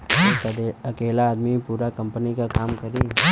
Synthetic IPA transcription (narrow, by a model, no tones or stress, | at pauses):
kd̪ɐkeːlaːd̪mipuːɾakɐ̃mpənikakaːmkɐɾi